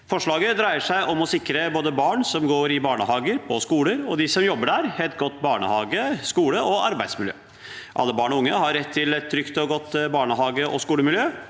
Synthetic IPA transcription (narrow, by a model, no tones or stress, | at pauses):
fɔʂɭɑːɡəd̪ɾæɪəʂæɪʔɔmɔsɪkɾəboːd̪əbɑːɳsɔmɡoːɾɪbɑːɳəɦɑːɡəɾpʰɔskuːləɾɔd̪ɪsɔmjɔbːəɖæɾhɛt̪ɡɔt̪ːbɑːɳə̰hɑːɡəskuːləʔɔʔɑ̰ɾbæɪsmɪljø̰ː | ʔɑ̰lːəbɑːɳɔʊŋːəhɑɾːɛt̪ʰːɪlɛt̪ʰːɾʏkt̪ɔɡɔt̪ːbɑːɳəɦɑːɡəʔɔ̰skuːləmɪljøː